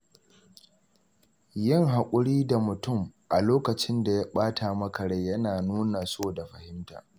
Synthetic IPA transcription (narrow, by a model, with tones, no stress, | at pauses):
jɪ˦˨ŋɦa˨kʷʼʊ˦ɽiː˦da˨mʊ˨tʊ˦˨mʔa˨loː˦kɐ˨t͡ʃɪ˦nda˨ja˦ɓaː˦tʰaː˨mɐ˦kɐ˨ɽa˦˨jɐ˦naː˨nuː˦na˨soː˦˨da˨ɸɐ˨hɪ˦mta̰ː˨